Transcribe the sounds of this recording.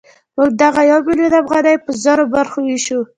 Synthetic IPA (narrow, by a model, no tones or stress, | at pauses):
məɡ̚d̪aɣajawbilod̪afɣɑnajpəzɑɾobaɾxowiʃu